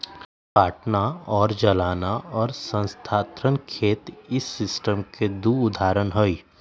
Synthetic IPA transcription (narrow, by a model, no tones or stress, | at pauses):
paːʈnaɔːɾd͡ʒɐlaːnaɔːɾsə̃nst̪ʰaːt̪ɾənkʰeːt̪ɪsːɪsʈəmked̪uːʊd̪ʱaːɾənɦoi